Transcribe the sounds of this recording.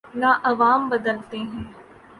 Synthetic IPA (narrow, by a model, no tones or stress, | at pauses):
nãːʔɐʋaːmbəd̪əlt̪eːɦɛ̃ː